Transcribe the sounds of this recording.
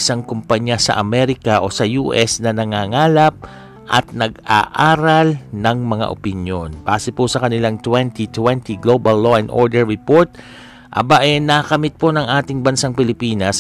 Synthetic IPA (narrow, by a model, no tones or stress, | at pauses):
ɪsaŋkʊmpaɲjasɐ̰ʔɐmɛɾɪkɐʔo̞sɐjuʔɛsnɐnɐŋaːŋaːlɐp̚ | ʔɐ̰t̪̚nɐɡ̚aʔaːɾɐlnɐŋmɐŋa̰ʔo̰pɪnjo̞nb̥aːsɪpʊsɐkɐnɪlaŋt̪wɛnt̪it̪wɛnt̪iɡlobɐlːo̞ʔɛnd̪ʔo̰ɹd̪ɛɹːɪpoɹt̪̚ | ʔɐ̰baʔɛnɐkɐmɪt̪̚ponɐŋʔaːt̪ɪŋbɐnsaŋpɪlɪpiːnɐs